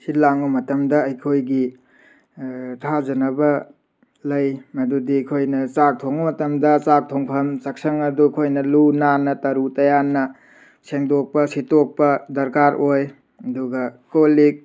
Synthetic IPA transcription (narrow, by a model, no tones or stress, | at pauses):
hilaŋumɐtɐmdɐɐjkʰojɡi | tʰazɐnɐbɐ | lɐjmɐdudikʰojnɐt͡ʃak̚tʰoŋumɐtɐmdɐt͡ʃak̚tʰoŋpʰɐmsɐk̚sɐŋɐdukʰojnɐlunanɐtɐɾutɐjanɐ | seŋdok̚pɐsitok̚pɐdɐɾkaɾʔoj | ɐduɡɐkolik̚